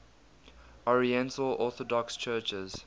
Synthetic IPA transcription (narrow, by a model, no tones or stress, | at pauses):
ɔɹiɛ̃ntəlɔˑθɔdɔkst͡ʃʰɜːˑt͡ʃəz̥